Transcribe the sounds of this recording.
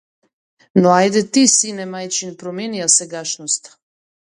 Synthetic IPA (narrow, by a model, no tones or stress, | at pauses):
noajd̪ɛt̪isinɛmajt͡ʃinpɾomjeniasɛɡaʃnost̪